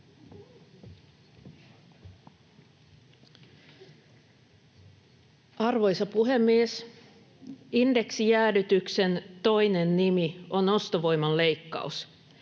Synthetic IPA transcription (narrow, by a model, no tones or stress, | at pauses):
ɑrʋo̞jsɑpuɦe̞mːies | inde̞ksijæːdyt̪ykse̞nt̪o̞jne̞nːimio̞no̞st̪oʋo̞jmɑlle̞jkːɑ̰us